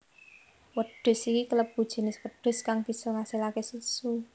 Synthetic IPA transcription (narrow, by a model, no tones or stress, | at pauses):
wəd̥ʊ̤sikikələp̚b̥ud̥ʒ̥i̤nɪswəɖ̪̥ʊ̤skaŋb̥i̤sɔŋasilakesusu